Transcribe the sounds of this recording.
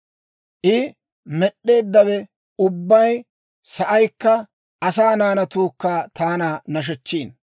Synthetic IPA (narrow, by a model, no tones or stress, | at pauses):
ʔɪ | mɛɗːe̞ːd̪ːɐwɛ | ʊbːɐj | sɐʔɐjkːɐ | ʔɐsaːnaːnɐt̪uːkːɐaːt̪aːnɐnɐʃ̬ɛt͡ʃːiːn